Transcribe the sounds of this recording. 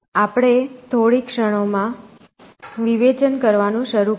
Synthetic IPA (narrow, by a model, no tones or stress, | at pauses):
apɽ̃et̪ʰoɽikʃəɽ̃omã | ʋiʋet͡ʃənkəɾʋanũʃəɾu